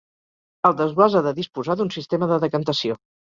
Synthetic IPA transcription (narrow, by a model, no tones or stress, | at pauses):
əlˠd̪əzɣwazaðəðispuzaðunsist̪eməðəðəkənt̪əsio